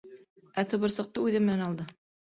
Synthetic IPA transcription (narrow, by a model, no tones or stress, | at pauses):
æt̪ɤ̆βɤ̆ɾsɤ̆q̚t̪ɤʉðɘmɘ̆nænɑlˠd̪ɤ